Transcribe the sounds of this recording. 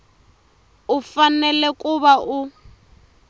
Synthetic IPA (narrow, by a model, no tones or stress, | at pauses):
ufanɛlɛkʼuβaʔu